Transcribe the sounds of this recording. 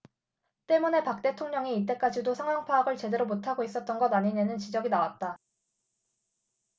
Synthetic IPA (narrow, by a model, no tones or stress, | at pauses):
t͈e̞mune̞pak̚t͈e̞tʰoŋɲʌŋiːt̬͈e̞k͈ad͡ʑidosʰaŋwaŋpʰaːɡɯɭt͡ɕe̞de̞ɾomotʰaɡois͈ʌt̚t͈ʌnɡʌdaɲiɲenɯnt͡ɕid͡ʑʌɡinawat̚t͈a